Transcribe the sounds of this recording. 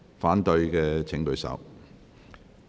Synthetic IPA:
faː˨˥nt̪ɵ˧ɥkɛː˧t͡sʰɪ˨˥ŋt̪ɵ˧ɥsɐ̰˨˥w

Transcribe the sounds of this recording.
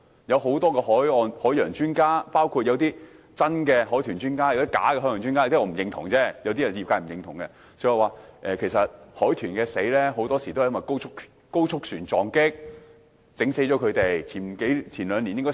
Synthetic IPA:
jɐ˨˧wɦo˨˥wt̪ɔː˥kɛː˧hɔː˨˥jɔː˨˧nhɔː˨˥jœː˨˩ŋt͡ʃyː˥nkaː˥paː˥wkʰu˧t̚jɐ˨˧wt̪iː˥ | t͡sɐ˥nkɛː˧ɦɔː˨˥jt̪ʰyː˨˩nt͡ʃyː˥nkaː˥˩jt̪i˥ka̰ː˨˥kɛ˧hɔː˥jœː˨˩ŋt͡ʃy˥nkaː˥jkt̪iː˥˨˧m̩˨˩˨jɪ˨˧ŋt̪ʰʊ˨˩ŋt͡sɛː˥jɐ˧wt̪iː˥ɐ˨˩n˨iː˨p̚ka˧jm̩˨˩˨jɪ˨˧ŋt̪ʰʊ˨˩ŋkɛ˧ | sʰɔ˨˥jɐ˨˩waː˨ʔɛː˨kʰe˨˩jsɐ˨t̚hɔː˨˥jt̪ʰyː˨˩nkɛː˧se˨˥jlɛː˥ɦo˨˥wt̪ɔː˥si˨˩o˥hjmɐ˨˩ko˥wʰʊ˥k̚ | ko˥wt͡ʃʰʊ˥k̚syː˨˩nt͡sɔː˨ŋkɪ˥k̚ | t͡sɪ˨˥ŋse˨˥jt͡ʃɔ˨˥kʰɵ˨˧t̪e˨jt͡sʰiː˨˩n˨ke˨˥jt͡sʰiː˨˩nlœː˨˧ŋli˨njɪ˥ŋkɔ˥

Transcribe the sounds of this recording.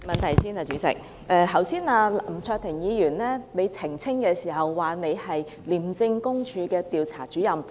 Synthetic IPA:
mɐ˨nt̪ʰɐ˨˩jsiː˥naː˨˩t͡ʃyː˨˧˥t͡sɪ̰˨k̚ | ʔɛː˧ɦɐ˨˩wsiː˥naː˧lm̩˨˩t͡ʃʰœː˧k̚t̪ʰɪ˨˩ŋjiː˨˧jyː˨˩nlɛː˥ne˨˧jt͡sʰɪ˨˩ŋt͡sʰɪ˥ŋkɛː˧siː˨˩ɦɐ˨wːaː˨˩ne˨˧jhɐ˨j | liː˨˩mt͡sɪ˧ŋkʊ˥ŋt͡ʃʰyː˨˧kɛː˧t̪iː˨wt͡sʰaː˨˩t͡ʃyː˨˥jɐ˨m

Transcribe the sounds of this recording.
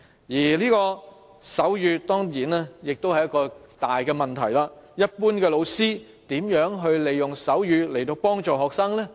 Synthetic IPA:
jiː˨˩liː˥kɔː˧ | sɐ˨˥wjyː˨˧t̪ɔː˥ŋjiː˨˩nɛː˥jɪ˨k̚t̪o˥whɐ˨jɐ˥kɔː˧ | t̪aː˨jkɛː˧mɐ˨nt̪ʰɐ˨˩jlaː˧jɐ˥t̚puː˥nkɛː˧lo˨˧wsiː˥ | t̪iː˨˥mjœː˨˥ŋɦɵ˧ɥle˨jʊ˨˩ŋsɐ˨˥wjyː˨˧le˨˩jt̪o˧wpɔː˥ŋt͡ʃɔː˨ɦɔː˨k̚saː˥ŋlɛː˥

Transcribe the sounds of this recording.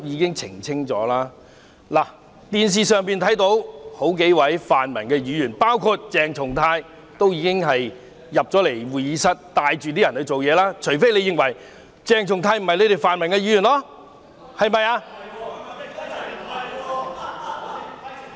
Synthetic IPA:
jiː˨˧kɪ˥ŋt͡sʰɪ̰˨˩ŋt͡sʰɪ˥ŋt͡sɔː˨˥laː˥ | laː˨˩ | t̪iː˨ns̬iː˨sœː˨˧ŋpiː˨nt̪ʰɐ˨˥jt̪o˨˥who˨˥wk̬e˨˥jwɐ˨˥jfaː˨nmɐ˨˩nkɛː˧jyː˨˧jyː˨˩npaː˥wkʰu˧t̚t͡sɛː˨ŋt͡ʃʰʊ˨˩ŋt̪ʰaː˧j | t̪o˥wjiː˨˧kɪ˥ŋɦɐ˨j | jɐ˨p̚t͡sɔː˨˥le˨˩jwuː˨˩jiː˨˧sɐ˥t̚t̪aː˨jt͡ʃy˨t̪i˥jɐ˨˩nhɵ˧ɥt͡so˨wjɛː˨˧laː˥t͡ʃʰɵ˨˩ɥfe˥jle˨˧jɪ˨ŋwɐ˨˩j | t͡sɛː˨ŋt͡ʃʰʊ˨˩ŋt̪ʰaː˧jm̩˨˩hɐ˨jle˧jt̪e˨˩faː˨nmɐ˨˩nkɛ˧jyː˧˥jyː˨˩nlɔ˧ | hɐ˨jmɐ˨˧jaː˧

